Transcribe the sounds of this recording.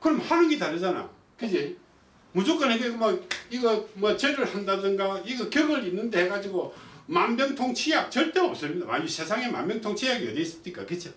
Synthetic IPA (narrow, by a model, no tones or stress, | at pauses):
kɯɾʌmhanɯnɡetaɾɯd͡ʑana̰jo | kɯd͡ʑe | mud͡ʑok͈ʌneɡemʌiɡʌmʌt͡ɕeɾɯɭhandadɯnɡaiɡʌkjʌɡɯɾinːɯnde̞heɡad͡ʑiɡomanbjʌŋtʰoŋt͡ɕʰijak̚t͡ɕʌɭt͈eʌp̚s͈ɯɭmːida̰ma̰ɲisʰe̞sʰaŋe̞ma̰mbjʌŋtʰoŋt͡ɕʰijaɡiʌ̰d̪es͈ɯɲik͈a̰kɯt͡ɕʰo